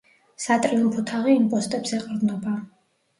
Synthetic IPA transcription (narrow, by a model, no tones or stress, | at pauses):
sat̪ʼɾiumpʰɔt̪ʰaʁiːmpʼɔst̪ʼɛbsɛqʼɾd̪nɔba